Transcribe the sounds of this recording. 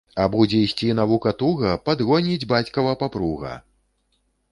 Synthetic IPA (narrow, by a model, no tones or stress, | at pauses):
ɐbud͡zʲɛisʲt͡sʲinavukɐt̪uɣɐpad̪ɣɔnʲid͡zʲbat͡sʲkɐvɐpapɾuɣɐ̰